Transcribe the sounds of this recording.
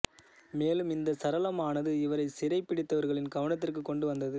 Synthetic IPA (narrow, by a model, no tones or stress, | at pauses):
meːlɯmɪnd̪ɐsɐɾɐlɐmaːnɐðɯɪʋɐɾɐɪsɪɾɐɪpːɪɽɪt̪ːɐʋɐɾɣɐɭɪnɡɐʋɐɳɐt̪̬ːɪrkɯkːɔɳɖɯʋɐnd̪ɐðɯ